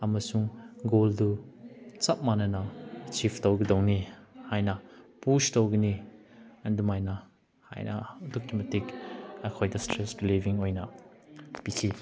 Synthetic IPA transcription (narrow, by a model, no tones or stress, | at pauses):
ɐmɐsuŋɡoldu | t͡sɐp̚manɐnɐt͡ʃʰipʰtɔwɡidɔwnihajnɐpustɔwɡiniɐndumajnɐ | ha̰jnʔɐ̰dɔk̚tumetikɐkʰɔjdɐstɾesbiliviŋojnɐ | pikʰi